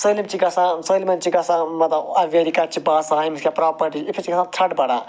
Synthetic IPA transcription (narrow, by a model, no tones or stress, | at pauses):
səːlimt͡ʃikɐsãsəːlimɐnt͡ʃʰiɡɐsãːmɐt̪ɐbɐʋeɾikat͡ʃʰibaːsãimiskʲapɾaːpɐɾʈit͡ʃipʰit͡ʃiɡɐsãːt̪ʰɐʈbɐɽaː